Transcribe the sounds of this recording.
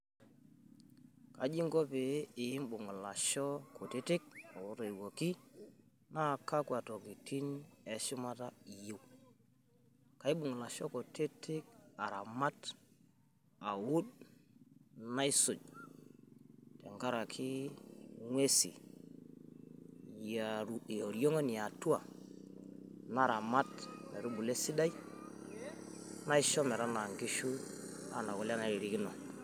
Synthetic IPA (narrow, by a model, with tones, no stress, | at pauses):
ka˨d͡ʒi˦ŋɡo˦peː˨˦˨ji˦mɓu˨ŋu˨la˨ʃo˦ko˨te˦ti˦k̚a˨wu˦ɾe˨i˨wo˨ki˦ | na˦˨ka˦kwa˨to˨ki˨ti˦ne˨ʃu˦ma˦ta˦i˨ji˦w | ka˨˦i˦ɓu˨ŋu˨la˨ʃo˦ko˨te˦tʰi˦k̚a˨ɾa˨ma˦t | a˨wu˦d | na˦i˦su˨d͡ʒ | tḛ˨ŋɡa˦ɾa˨kʰi˦ | ŋwe˦sḭ˨ | ja˨o˨ɾjo˦ŋo˦ni˨ja˨tu˦a˨ | na˦˨ɾa˨ma˦tme˨ɾu˦bu˨le˦si˦da˦i˦ | na˦i˦ʃo˦me˨ɾa˦na˨ŋɡi˦ʃu˦a̰˨na˨ko˨la˦na˨ɾi˨ɾi˦ki˦no˨